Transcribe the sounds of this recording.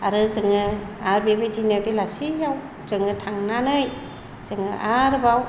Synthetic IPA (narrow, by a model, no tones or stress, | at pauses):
aɾɯzɯŋɯaɾbebɯjdinaɾbelasijaw | zɯŋɯtʰaŋnanɯj | z̥ɯŋɯʔaɾbaw